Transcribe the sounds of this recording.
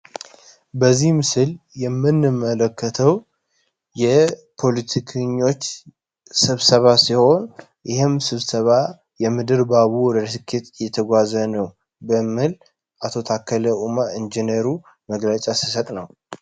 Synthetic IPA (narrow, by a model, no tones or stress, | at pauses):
bəzːihmɨsɨljɛmːɨnːɨmələkːət̪ʰəw | jɛpʰo̞lit̪ʰikʰɨɲːo̞t͡ʃː | sɨβsəβasiho̞n | jɪhɨmsɨβsəβa | jɛmɨd̪ɨɾbaβuwɔd̪əɾsɨkʰːet̪ʼjɛt̪ʰəɡʷazənəw | bəmːɨl | ʔat̪ʰo̞t̪ʰakʰːələʔumaɨnd͡ʒinəɾu | məɡlət͡ʃʼasi̥sət̪ʼnəw